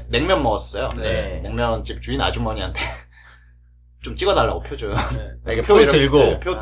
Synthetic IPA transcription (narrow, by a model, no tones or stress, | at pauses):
me̞ŋmʲjʌnmʌɡʌs͈ʌjonene̞ŋmjʌnt͡ɕip̚t͡ɕuina̰d͡ʑumʌɲiɦantʰe̞ | t͡ɕomt͡ɕ͈iɡʌdaɭːaɡopʰjod͡ʑojopʰjodɯɡopʰjo